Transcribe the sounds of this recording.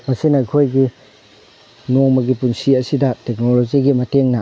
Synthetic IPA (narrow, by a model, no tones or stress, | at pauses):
mɐsinajkʰojɡi | nomɐɡipunsiɐsidɐtek̚nolod͡ʒiɡimɐteŋna